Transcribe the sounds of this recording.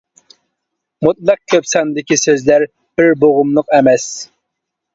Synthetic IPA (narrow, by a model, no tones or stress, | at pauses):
mut̪̚lˠɑq̚kʲʰøpsɑnd̪ɪkʲisøzlæɾ | b̥ɪɾboʁʊmlˠəqɛmɛs